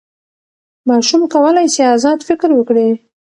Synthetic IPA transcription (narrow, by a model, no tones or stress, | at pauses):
mɑʃumkawəlajseazɑd̪fɪkɾwəkɽi